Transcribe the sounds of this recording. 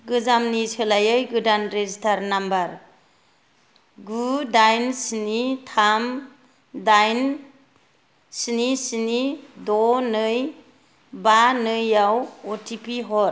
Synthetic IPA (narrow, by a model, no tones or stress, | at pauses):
ɡɯzamnisʰɯlajɯjɡɯdanɾezitʰaɾnambaɾ | ɡudajnsinitʰam | dajn | sinisinidɔnɯj | banɯjawɔtʰipiɦɔɾ